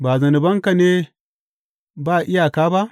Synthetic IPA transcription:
baː˨zɐ˨ni˨bɐ˦ŋka˨neː˦ | baː˦˨ʔɪ˦ja˨kaː˦ba˦ʔ

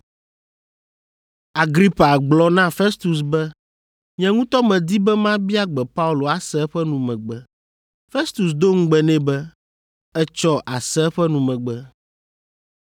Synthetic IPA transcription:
a˨ɡɾi˦pa˨ɡ͡blɔ˦nã˦fɛ˦st̪u˨s̬bɛ˦ | ɲɛ̃˨ŋũ˦t̪ɔ˦mɛ̃˨d̪i˦bɛ˦mã˦bi˦a˦ɡ͡bɛ˨pa˦u˦˨lo˨a˨sɛ˦ɸɛ˦nũ˨mɛ̃˨ɡ͡bɛ˨ | fe˦st̪u˨sd̪o˦ŋ̩˦ɡ͡bɛ˨nɛ̃˦bɛ˦ | ɛ˦t͡ʃɔ˦ʔa˨sɛ˦ɸɛ˦nũ˨mɛ̃˨ɡ͡bɛ˦

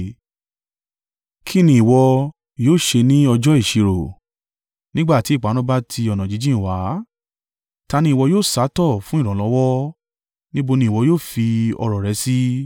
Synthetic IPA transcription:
kʰi˦˨nĩ˧˦i˨wɔ˧ | joː˦˨ʃe˧nĩ˦ɔ˧d͡ʒɔ˦i˦˨ʃi˨˧ɾo˨ | nĩ˦ɡ͡ba˦˨ti˨˦i˦˨k͡pa˨˦nɔ̃˦ba˦tʰi˧ɔ˨nã˨d͡ʒi˨˦d͡ʒĩ˦˨wa˨˦ | ta˧nĩ˦i˨wɔ˧joː˦˨sa˨˦tɔ˦˨fũ˦i˦˨ɾ̃ɔ̃˨lɔ˨˧˦wɔ˦ | nĩ˦bo˧nĩ˧˦˨wɔ˧joː˦˨fi˧ɔ̰˧ɾɔ˨ɾɛ˨˧˦si˦

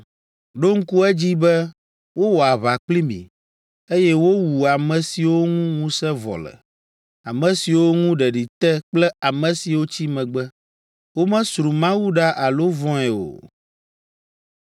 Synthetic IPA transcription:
ɖo˦ŋ̩˦ku˦ɛ˦d͡ʑi˦bɛ˦ | wo˦wɔ˨a˨βa˨k͡pli˦mḭ̃˨ | e˦jɛ˦wo˦wu˨a˨mɛ̃˨si˨wo˦ŋũ˦ŋũ˦sɛ˦vɔ̰˨lɛ̰˨ | a˨mɛ̃˨si˨wo˦ŋũ˦ɖɛ˨ɖi˨t̪ɛ˦k͡plɛ˦a˨mɛ̃˨si˨wo˦t͡ɕi˦mɛ̃˨ɡ͡bɛ˦ | wo˦mɛ̃˦sɾu˨mã˦wu˦ɖa˦ʔa˨lo˦vɔ̃˦ɛ˨o̰˨

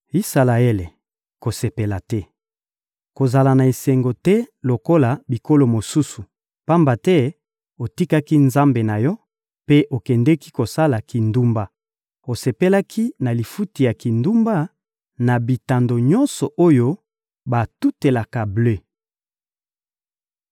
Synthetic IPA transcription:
i˦sa˨la˨e˦le˨ | ko˨se˨pe˨la˨tɛ˦ | ko˨za˨la˨na˨e˨sɛ˨ŋɡo˨tɛ˦lo˨ko˦la˨bi˨ko˦lo˨mo˨su˦su˨ | pa˦mba˨tɛ˦ | o˨ti˦ka˦ki˦nza˦mbe˨na˨jɔ˦ | pe˦ʔo˨kɛ˨ndɛ˦ki˦ko˨sa˦la˨ki˨ndu˦mba˦ | o˨se˨pe˦la˦kʰi˦na˨li˨fu˦ti˨ja˨ki˨ndu˦mba˦ | na˨bi˨ta˨ndo˨ɲɔ˦nsɔ˨ʔo˦jo˦ | ba˨tu˦te˨la˨ka˨blø˦

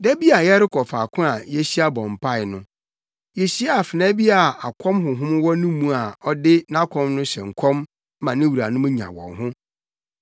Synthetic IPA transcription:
dɛ˦bi˦a˨jɛ˦ɾɪ˦kʰɔ˨faː˨kʰʊ̃˦a˨jɛ˦ɕi˦a˦bɔ̃˨m̩˨pʰa˦ɪ˨nʊ̃˦ | jɛ˨ɕi˦a˦˨fɪ˨nɛ̃˦bi˦a˨a˨kʰɔ̃˦mɦʊ̃˨ɦʊ̃˦m˦wɔ˦nũ˦mũ˦a˨ɔ˦dɪ˦nã˦kʰɔ̃˦mnʊ̃˦ɕɛ̰˨ŋ̩˨kʰɔ̃˦m˦ | mã˨nɪ̃˦wu˨ɾa˨nʊ̃˦m̃˦ɲã̰˨wɔ̰̃˨nɦʊ̃˦

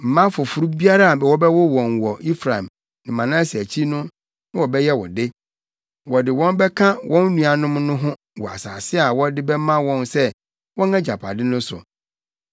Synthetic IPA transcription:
m̩˨mã˦fʊ˨fʊ˨ɾu˦bi˦a˦ɾa˦a˨bɛ˨wɔ˦bɛ˦wɔ˦wɔ̃˨nwɔ˨i˦fɾa˨m | nɪ̃˨mã˨nã˦si˨æ˨t͡ɕʰi˦nʊ̃˦ | nɪ̃˦wɔ˨bɛ˦jɛ˦wɔ̰˨dɪ˦ | wɔ˨dɪ˨wɔ̃˦n˦bɛ˦kʰã˦wʔɔ̃˦n˦nũ˨a˨nʊ̃˦mnʊ̃˦ɦʊ̃˦ | wɔ˨a̰˨saː˨sɪ˦a˨wɔ˦dɪ˦bɛ˦mã˦wɔ̃˦nsɛ˦ | wɔ̃˦nã˦d͡ʑa˨pʰa̰˨dɪ˦nʊ̃˦sʊ̰˨

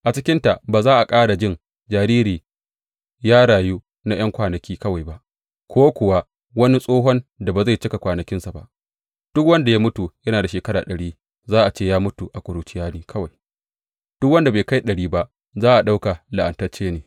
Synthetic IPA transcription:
ʔa˨t͡ʃɪ˦kʲɪ˦nta˨ʔbaː˨zaː˦ʔa˨kʼaː˦ɽa˨d͡ʒɪ˦˨n | d͡ʒaː˨ɾiː˦ɾiː˨ | jaː˦ɽaː˨juː˦ | na˦j̰ɐ˦ŋkʷaː˨nɐ˨kʲiː˦kɐ˦wa˨jba˦ʔ | kʷoː˦kʷʊ˨wa˦ | wɐ˦ni˦sʼoː˦ɦɔ˦nda˨ba˨za˦˨jt͡ʃɪ˦ka˨kʷaː˨nɐ˨kʲɪ˦nsa˨ba̰˦ʔ | d̥ʊ˦kwɐ˦nda˨jaː˦mʊ˦tu˨jɐ˦naː˨da˨ʃeː˨kɐ˦ɽaː˨ɗɐ˨ɽiː˦ | zaː˦ʔa˨t͡ʃeː˦˨jaː˦mʊ˦tu˨ʔa˨kʷʼʊ˨ɾuː˨t͡ʃɪ˦jaː˦niː˦kʰɐ˦wa˨j | d̥ʊ˦k̚wɐ˦nda˨beː˨ka˦jɗɐ˨ɽiː˦ba˦ʔ | zaː˦ʔa˨ɗa˦wka˨la˨ʔa˨ntɐ˦t͡ʃːeː˦neː˨

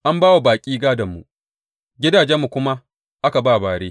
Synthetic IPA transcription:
ʔa˦mbaː˦wa˨baː˨kʲʼiː˦ɡaː˦dɐ˨mːṵ˨ | ɡʲɪ˦daː˨d͡ʒɛ˦mːu˨kʷʊ˦ma˦ | ʔa˦ka˨baː˦˨baː˨ɽeː˦

